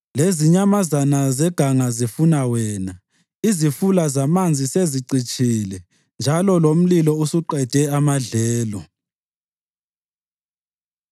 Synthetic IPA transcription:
leziɲamazanazɛɡ̥ʱaŋazifunawɛːna | izifulazamand͡zʱiseziǀit͡ʃʼʰiːlɛ | nd͡ʒʱalɔlom̩lilɔusuǃɛd̥ʱɛamaɮɛːlɔ

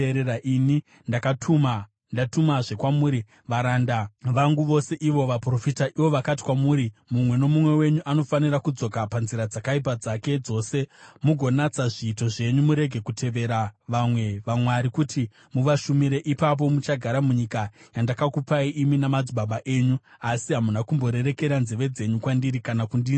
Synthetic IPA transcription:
ɾeɾaʔini | ndakatʰuma | ndatumaʐe̞kwamuːɾi | ʋaɾandaʋaŋɡuʋo̞se̞ʔiʋo̞ʋapro̞fitaʔiʋo̞ʋakati̥kwamuːɾimumwe̞no̞mumwe̞we̞ɲuʔano̞fanirakud͡zo̞kapanziɾad͡zakaip̬ad͡zake̞d͡zo̞ːse̞muɡʱo̞nat͡saʐiːto̞ʐe̞ɲumuɾe̞ɡʱe̞kutʰe̞ʋe̞ɾaʋamwe̞ʋamwaɾikutʰi | muʋaʃumiɾe̞ʔipap̬o̞mut͡ʃaɡʱaɾamuɲikajandakakupaiʔiminamad͡zuɓaɓaʔe̞ɲu | asiɦamunakumbo̞ɾe̞ɾe̞ke̞ɾanzeʋe̞d͡ze̞ɲukwandiɾikanakundiːn

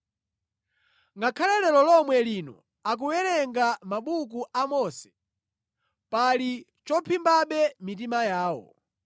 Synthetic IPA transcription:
ŋɡakʰalɛlɛlɔlɔmwɛliːnɔ̰ | ak̬uwɛɾɛŋɡamaɓuk̬uʔamɔsɛ̥ | pali | t͡ʃɔpʰimbaɓɛmit̬imajaːwɔ̰

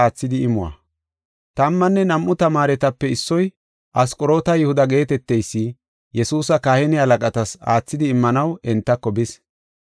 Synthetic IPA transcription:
aːt͡sːɪd̪ɪɪmʊwɐ̰ | t̪ɐmːɐnːɛnɐmʔːʊt̪ɐmaːɾɛt̪ɐpːɛɪsːɔj | ʔɐskʼɔɾo̞ːt̪ɐjɪhʊd̪ɐɡe̞ːt̪ɛt̪ːɛjsːɪ | jɛsuːsɐkahɛnɪɐlɐkʼɐt̪ɐsa̰ːt͡sːɪd̪ɪːmːɐnɐwɛnt̪ːɐkːɔbɪs

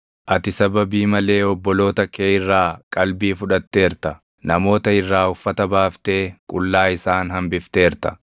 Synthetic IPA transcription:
ʔɐt̪ɪsɐbɐbiːmɐle̞ːɔbːɔlo̞ːt̪ɐkeːɪrːaːkʼɐlbiːfʊᶑɐt̪ːe̞ːɾt̪ɐ | nɐmo̞ːt̪ɐɪrːaːʊfːɐt̪ɐbaːft̪e̞ːkʼʊlːaːɪsaːnɦɐmbɪft̪e̞ːɾt̪ɐ̥

